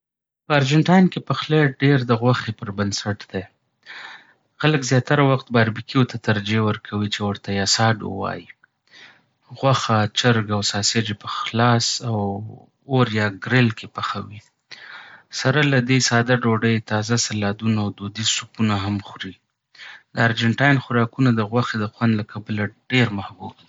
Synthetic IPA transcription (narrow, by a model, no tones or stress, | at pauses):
pəaɾd͡ʒaɳʈɑjnkepəxleɖeɾd̪əɣwaxepəɾbənsaʈd̪e | xaləkzjɑt̪aɾawaxt̪̚bɑɾbikijot̪at̪aɾd͡ʒewəɾkʰawit͡ʃewəɾt̪ajasɑɖə̰wɑ̰ji | ɣwaxat͡ʃaɾɡawsɑsed͡ʒepəxlɑsaw | oɾjɑɡɾɪlkepaxawi | saɾalad̪esɑd̪aɖoɖəjt̪ɑzasalɑd̪unaawd̪od̪isupunaɦamxɾi | d̪əaɾd͡ʒaɳʈɑjnxʊɾɑkunad̪əɣwaxed̪əxwand̪lakʰabəlaɖeɾmahbuɡ̚i